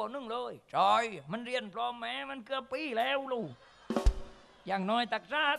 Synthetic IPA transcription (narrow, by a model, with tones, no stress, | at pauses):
nɨ˧ŋləː˧jt͡ɕɔː˧jmə˧nri˧ənpʰlɔ˧mːɛː˧˥mə˧˨nkɨ˧əpːiː˧˥lɛː˧wluː˧˩ | jaː˧˩ŋnɔ˧jt̪a˧˩k̚saː˧˩